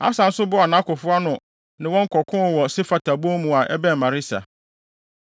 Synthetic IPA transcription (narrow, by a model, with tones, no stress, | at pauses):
a̰˦sã˨n̩˦sʊ˦bʊ˦a˨nã˦kʊ˨fʊ˦a˦nʊ̃˨ | nɪ̃˨wɔ̃˦ŋ̩˦kʰɔ˨kʰʊ̃˦n˨wɔ˨se˦fa˨tʰa˨bo˦mũ˨a˨ʔɛ̰˦bɛ̃˦˨mã˨ɾɪ˦sa̰˨